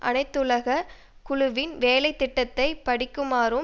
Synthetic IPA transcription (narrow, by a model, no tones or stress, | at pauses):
ʔɐ̰nɐɪt̪ːʊlɐɣɐ | kʊɻʊʋɪnʋeːlɐɪt̪ːɪʈːɐt̪ːɐɪpɐɽɪkːɯmaːɾɯ